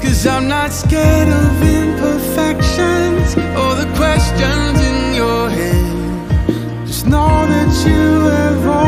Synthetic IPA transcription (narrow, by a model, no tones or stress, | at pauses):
kʰʌzãɪ̃mnətskɛɾʌvɪ̃mpʰə˞fɛkʃɨ̃nzə˞ðɨkʰw̥ɛst͡ʃɨ̃nzɪ̃njə˞hɛn | d͡ʒʌsnoðɨt͡ʃɨəɹɔ